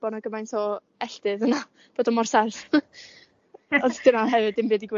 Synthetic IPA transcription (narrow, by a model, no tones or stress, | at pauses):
b̥ɔnaɡəmajntʰɔ | ɛɬtɨðəna | b̥oːdɔmɔrsaθ | ɔsdɨnaɦɛvɨdɪmbeːdiɡwe